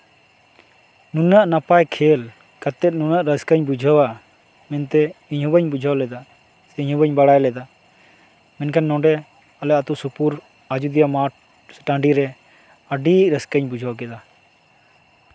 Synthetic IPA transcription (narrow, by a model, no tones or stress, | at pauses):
nunaʔnapajkʰɛl | kat̪ɛt̪̚nunaʔɾəskaɲbud͡ʒʱawa | mɛnt̪ɛiɲɦubaɲbud͡ʒʱawlɛd̪a | sɛiɲɦubaɲbaɽajlɛd̪a | mɛnkʰanːɔ̃ɖɛ | alɛʔat̪uʔsupuɾ | ad͡ʒud̪ijama | sɛ̥ʈãɖiɾɛ | əɖiʔɾəskəɲbud͡ʒʱawkɛd̪a